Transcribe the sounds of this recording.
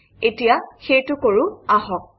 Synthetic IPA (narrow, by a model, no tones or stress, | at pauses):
etijaxejtʊkoɹʊaɦɔk̚